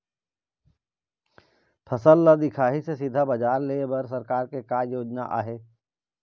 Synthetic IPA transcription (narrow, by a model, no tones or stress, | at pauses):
pʰɐsəlːad̪ɪkʰaːɦisesɪd̪ʱabɐd͡ʒaːɾleːbɐɾs̬ɐɾkaːɾkekaːɾjoːd͡ʒna̰ʔa̰ːɦeː